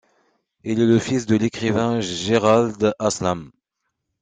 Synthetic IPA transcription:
ilɛləfisd̪əlekχivɛ̃ʒeʁald̪aslam

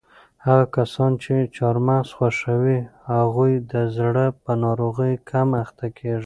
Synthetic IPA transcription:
haɣakasɑnt͡ʃet͡ʃɑɾmasxwaʂawihaɣujd̪əzɽəpənɑɾoɣəjkʰamaxt̪akʰeʐi

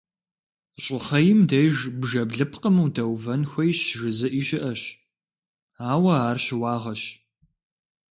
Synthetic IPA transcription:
ɕʼɪχɐjɪmdɐjʒbʒɐbɮɨpʰqəmɨwdɐwvɐnxʷɐjɕʒɨzɨʔiːɕɪʔɐɕ | aːwɐaːrɕɪwɑːʁɐɕ

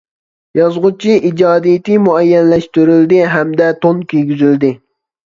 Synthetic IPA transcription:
jɑzʁʊt͡ʃʰiʔid͡ʒɑːd̪ijt̪ɪmuɛjːɛnlɛʃt̪yɾyld̪ɪɦɛmd̪ɛt̪ʰonkʲʰøjʲɡʲyzyld̪ɪ

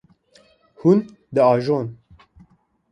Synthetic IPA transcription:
hun | d̪ɨɑːʒoːn

